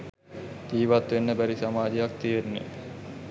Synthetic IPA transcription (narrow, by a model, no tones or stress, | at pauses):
t̪iːʋat̪ʋenːəbæɾisamaːd͡ʒejak̚t̪ienːḛ